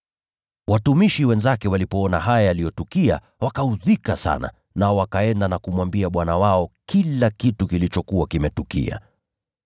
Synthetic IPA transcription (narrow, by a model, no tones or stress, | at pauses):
watumiʃiwɛnzakɛwalipɔɔnaɦajajalijɔtukia̰ | wakauðikasa̰na̰ | naɔwakaɛndanakumwambiaɓwanawaɔkilakitukilit͡ʃɔkuwakimɛtukḭa̰